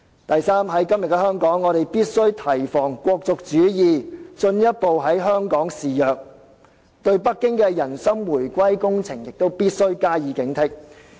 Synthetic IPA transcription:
t̪ɐ˨jsaː˥mɦɐ˨˥jkɐ˥mjɐ˨t̚kɛ˧˥ɦœː˥ŋkɔː˨˥ŋːɔː˨˧ɾe˨jpiː˥t̚sɵ˥ɥt̪ʰɐ˨˩jfɔː˨˩ŋkʷɔː˧k̚t͡sʊ˨k̚t͡ʃyː˨˥jiː˨t͡ʃɵ˧njɐ˥t̚po˨wɦɐ˨˥jɦœː˥ŋkɔː˨˥ŋsiː˨jœː˨k̚ | t̪ɵ˧ɥp̬ɐ˥kːɪ˥ŋkɛː˧jɐ˨˩nsɐ˥mwuː˨˩jkʷɐ˥jkʊ˥ŋt͡sʰɪ˨˩ŋjɪ˨k̚t̪o˥wpiː˥t̚sɵ˥ɥkaː˥jiː˨˥kɪ˨˥ŋt̪ʰɪ˥k̚

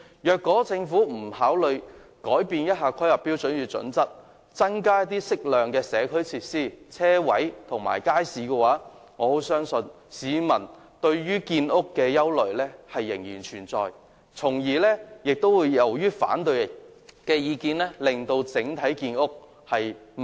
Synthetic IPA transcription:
jœː˨kːɔː˨˥t͡sɪ˧ŋfuː˨˥m̩˨˩haː˨˥wlɵ˨˧ɥkɔː˨˥jpiː˧njɐ˥t̚haː˧kʰɐ˥jhɐ˨˩pːiː˥wt͡sɵ˨˥njyː˨˧t͡sɵ̰˨˥nt͡sɐ˥t̚ | t͡sɐ˥ŋkaː˥jɐ˥t̪ːiː˥sɪ˥k̚lœː˨˩ŋkɛː˧sɛː˨˧kʰɵ˥ɥt͡sʰiː˧t̚siː˥˩t͡sʰɛː˥wɐ˨˥jt̪ʰʊ˨˩ŋma̰ː˨˩jkaː˥jsiː˨˧kɛː˧waː˨˥ | ŋɔː˨˧ho˨˥wsœː˥ŋsɵ˧n | siː˨˧mɐ˨˩n | t̪ɵ˧ɥɥyː˥kiː˧nʊ˥kːɛː˧jɐ˥wlɵ˨ɥlɛː˥hɐ˨jːɪ˨˩ŋjiː˨˩nt͡ʃʰyː˨˩nt͡sɔ̰ː˨˧j | t͡sʰʊ˨˩ŋjiː˨˩lɛː˥jɪ˨k̚t̪o˥wwuː˨˧jːɐ˨˩wjyː˥fa̰ː˨˥nt̪ɵ˧ɥkɛː˧jiː˨˧kiː˧nlɛː˥lɪ˨ŋt̪o˧wt͡sɪ˨˥ŋt̪ʰɐ˨˥jkiː˧nʊ˥k̚ | hɐ˨j

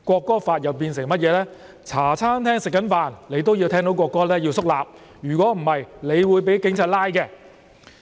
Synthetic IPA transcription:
kʷɔː˧kːɔː˥faː˧t̚jɐ˨wpiː˧nsɪ˨˩ŋmɐ˥t̚jɛː˨˧lɛː˥ | t͡sʰaː˨˩t͡sʰaː˥nt̪ʰɛː˥ŋsɪ˨kːɐ˨˥nfaː˨nle˨˧jt̪̬o˥wji˧wt̪ʰɛː˥ŋt̪o˨˥wkɔː˧kːɔː˥lɛː˥jiː˧wsʊ˥k̚laː˨p̚ | jyː˨˩k̬wɔː˨˥m̩˨˩hɐ˨jle˨˧jwuː˨˧jp̬e˨˥jkɪ˨˥ŋt͡sʰaː˧t̚laː˥jkɛ˧

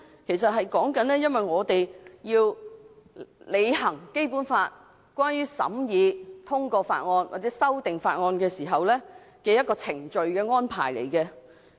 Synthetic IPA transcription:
kʰe˨˩js̬ɐ˨t̚ɦɐ˨jkɔː˨˥ŋkɐ˨˥nlɛː˥jɐ˥nwɐ˨jŋɔː˨˧t̪e˨jjiː˧w | le˨˧jhɐ˨˩ŋke˥jpu˨˥nfaː˧t̚ | kʷwaː˥njyː˥sɐ̰˨˥mjiː˨˧t̪ʰʊ˥ŋkɔː˧fa̰ː˧t̚ŋɔː˧nwʔaː˨t̚t͡sɛː˨˥sɐ˥wt̪ɪ˨ŋfaː˧t̚ŋɔː˧nkɛː˧siː˨˩ɦɐ˨wlɛː˥ | kɛː˧jɐ˥t̚kɔː˧t͡sʰɪ˨˩ŋt͡ʃɵ˨ɥkɛː˧ŋɔː˥npʰa̰ː˨˩jlḛ˨˩jkɛ˧

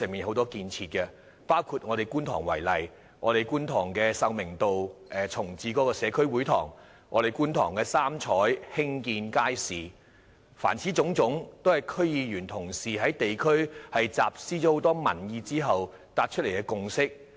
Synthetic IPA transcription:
sœː˨ŋmiː˨nho˨˥wt̪ɔː˥kiː˧nt͡sʰiː˧t̚kɛ˧ | paː˥wkʰuː˧˩t̚ŋɔː˨˧ɾe˨jkuː˥nt̪ʰɔ̰ː˨˩ŋwɐ̰˨˩jlɐ˨j | ŋɔː˨˧ɾe˨jkuː˥nt̪ʰɔː˨˩ŋkɛː˧sɐ˧wmɪ˨˩ŋt̪o˨wʔɛː˨˩t͡sʰʊ˨˩ŋt͡siː˨˧kɔː˨˧˥kɔː˧sɛː˨˧kʰɵ˥ɥwu˨˥jt̪ʰɔ̰ː˨˩ŋ | ŋɔ̰ː˨˧ɾe˨˩jkuː˥nt̪ʰɔ̰ː˨˩ŋkɛː˧saː˥mt͡ʃʰɔː˨˥jhɪ˥ŋkiː˧nkaː˥jsiː˨ | fa̰ː˨˩nt͡sʰiː˨˥t͡sʊ˨˧˥ŋt͡sʊ˨˥ŋt̪o˥whɐ˨˩jkʰɵ˥ɥjiː˨˧jyː˨˩nt̪ʰʊ˨˩ŋsiː˨ɦɐ˨˥jt̪e˨jkʰɵ˥ɥhɐ˨jt͡saː˨p̚siː˥t͡ʃɔː˨˥ho˨˥wt̪ɔː˥mɐ̰˨˩njiː˧t͡siː˥ɦɐ˨w | t̪aː˧t̚t͡ʃʰɵ˥le˨˩jkɛ˧kʊ˨ŋsɪ˥k̚

